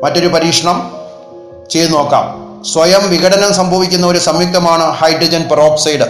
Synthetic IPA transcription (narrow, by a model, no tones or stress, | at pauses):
mɐtːo̞ɾupɐɾiːkʂɐɳɐm | t͡ɕe̞jt̪uno̞ːkːa̰ːm | sʋɐjɐmʋiɣɐɽɐnɐmsɐmbʱɐʋikʲːunːɐo̞ɾusɐmik̚t̪ɐmaːɳɨhɐjɖrɐd͡ʑɐnproːksɐjɖɨ